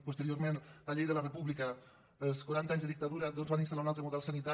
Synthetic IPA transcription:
pust̪əɾioɾmenlaʎejðəlarəpuβlikə | əlˠskwaɾant̪aɲzðəðikt̪aðuɾɐd̪onzβanint̪alaɾunalˠt̪ɾəmuðɛlˠsənit̪a

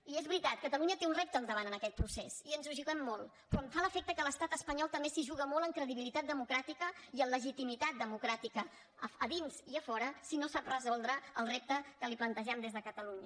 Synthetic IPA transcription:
iɛzβɾit̪at̪̚kət̪əluɲət̪eunrɛp̚t̪əːlˠd̪əβanənəkɛt̪̚pɾusɛsiənzuʒuɣəmːolˠ | pɾɔəɱfaləfɛk̚t̪əkələst̪at̪əspəɲɔlˠt̪əmbesiʒuɣəmoləŋkɾəðiβilit̪at̪̚d̪əmukɾat̪ikəiəmləʒit̪imit̪at̪̚d̪əmukɾat̪ikə | əðinziəfɔɾəsinosaprəzɔlˠd̪ɾəəlˠrep̚t̪əkəliplənt̪əʒɛmd̪ezðəkət̪əluɲə

